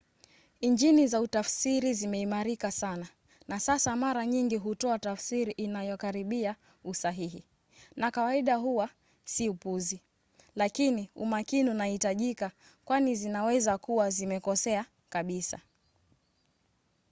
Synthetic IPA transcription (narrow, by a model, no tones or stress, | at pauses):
iɲd͡ʒinizautafsiɾizimɛimaɾikasana | nasasamaɾaɲiŋɡiɦutɔatafsiɾiʔinajɔkaɾiɓia | usaɦiɦḭ | nakawaiɗaɦuwa | siupuzi | lakiniṵmakiniunahitaʄika | kwanizinawɛzakuwazimɛkɔsɛa | kaɓisa̰